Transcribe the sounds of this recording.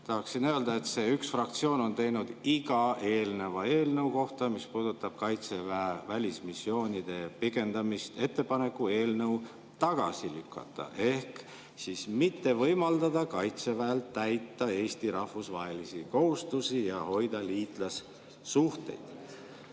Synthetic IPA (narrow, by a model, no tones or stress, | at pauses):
t̪ɑhɑksinøøld̪ɑe̞t̪se̞ːyksfrɑk̚t̪sio̞ːno̞nt̪e̞jnud̪̥iɡ̥ɑʔe̞ːlnevɑe̞ːlnewko̞ht̪ɑmispuːd̪̥ut̪ːˑɑb̥̚kɑjt̪se̞vævælʲismisːjo̞ːnʲid̪̥e̞pikˑe̞nd̪̥ɑmist̪e̞t̪ːe̞pɑne̞kˑːue̞ːlnɤ̞w | t̪ɑɡ̥ɑ̰silykːˑɑ̰t̪ːˑɑ̰ʔe̞hk | siːsmit̪ːe̞vɤjmɑld̪ɑd̪ɑkɑjt̪se̞væelt̪ːæjt̪ːˑɑe̞ːst̪iɾɑhvusvɑɦe̞lisiko̞hust̪usijɑho̞jd̪̥ɑliːt̪ˑlɑsː | uht̪e̞̰jd̪̥